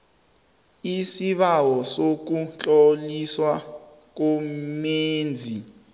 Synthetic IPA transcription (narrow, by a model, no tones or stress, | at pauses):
isiɓawɔsok̬unt͡ɬʼoliswa | k̬umeːnd͡zʱi